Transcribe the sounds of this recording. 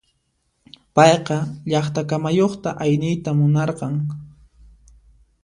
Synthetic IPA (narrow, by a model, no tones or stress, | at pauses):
pɑjqɑʎɑχt̪akamajoχt̪a̰ʔajnɪjt̪amʊnɑɾqɑŋ